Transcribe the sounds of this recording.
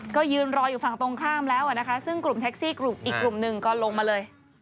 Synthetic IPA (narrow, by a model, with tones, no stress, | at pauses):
kɔː˥˩jɯː˧nɾɔː˧juː˨˩fa˨˩ŋt̪o˧ŋkʰaː˥˩mlɛː˦˥wa˨˩na˦˥kʰa˦˥sɯ˥˩ŋklu˨˩mt̪ʰːk̚siː˥˩klu˨˩mʔiː˨˩kːlu˨˩mnɯ˨˩ŋkɔː˥˩lo˧ŋmaː˧lɤː˧j